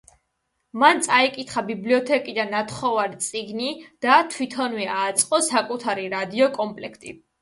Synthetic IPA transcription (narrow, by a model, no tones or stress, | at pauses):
mant̪sʼaikʼit̪ʰχabibliɔt̪ʰɛkʼid̪anːat̪ʰχɔvaɾit̪sʼiɡnid̪̥at̪ʰwit̪ʰɔnwɛaːt̪sʼqʼɔsakʼut̪ʰaɾiɾad̪iɔkʼɔmpʼlɛkʰt̪ʼḭ